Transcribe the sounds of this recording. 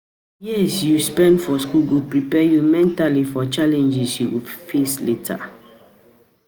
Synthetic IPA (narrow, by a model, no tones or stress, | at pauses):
jisjuspɛ̃ndfɔskulɡɹupːɹipɛjumɛ̃ntalifɔt͡ʃalɛ̃nd͡ʒisjuɡupfesletʰa̰